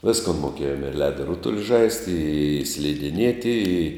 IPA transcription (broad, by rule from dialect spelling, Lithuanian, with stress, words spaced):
ˈʋʲɪskoːn moːˈkʲeːjoːm ɪr ˈlʲæːdoː ˈrʊtʊlʲɪ ˈʒɐɪsʲtʲɪ ɪ sʲlʲɪdʲɪˈnʲiɛtʲɪ ɪ